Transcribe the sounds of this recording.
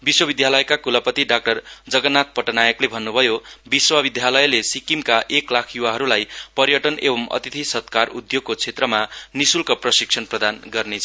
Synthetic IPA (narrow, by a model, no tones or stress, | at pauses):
biswʌbid̪jalʌjkakulʌpʌt̪iɖak̚ʈʌrd͡zʌɡʌnːat̪̚pʌʈʌnajʌklebʱʌnːubʱʌjobiswʌbid̪ʱjalʌjlesikimkaʔeklakʰjuwaɦʌɾulajpʌɾjʌʈʌnebʌmʌ̰t̪it̪ʰisʌt̪karud̪joɡ̚kot͡sʰet̪rʌmanisulkʌprʌsiksʰʌnprʌd̪anɡʌrnet͡sʰʌ